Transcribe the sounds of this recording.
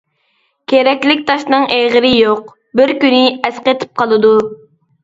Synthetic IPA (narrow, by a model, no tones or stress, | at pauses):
kʲʰeɾɛkʲlɪk̚ʲt̪ʰɑʃnɨŋʔeʁəɾɪjoq | bɪɾkʲynɪɛsqet̪ʰɪ̥p̚qʰɑlˠɨd̪u